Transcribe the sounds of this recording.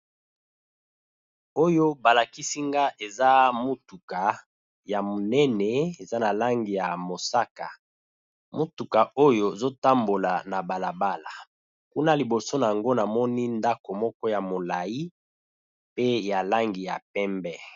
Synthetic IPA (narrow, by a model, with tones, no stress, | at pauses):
o˦jo˦ba˨la˨ki˦si˦ŋɡa˦ʔe˨za˦mo˦tu˨ka˨ | ja˨mo˨nɛ˦nɛ˨e˨za˦na˨la˦ŋɡi˨ja˨mo˨sa˦ka˨ | mo˦tu˨ka˨o˦jo˦˨zo˦ta˦mbo˨la˨na˨ba˨la˨ba˦la˨ | ku˦na˦li˨bo˨so˦na˨a˨ŋɡo˦na˨mɔ˦ni˦nda˦ko˨mɔ˦kɔ˦ja˨mo˨la˨i˦ | pe˦ja˨la˦ŋɡi˨ja̰˨pɛ˦mbɛ˦